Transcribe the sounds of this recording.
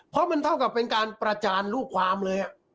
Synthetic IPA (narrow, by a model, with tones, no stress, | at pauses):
pʰɔ˦˥ma˧nt̪ʰa˥˩wka˨˩pːe˧nkaː˧npɾa˧t͡ɕaː˧nɾuː˥˩kʰwaː˧mlɤː˧jʔa˨˩ʔ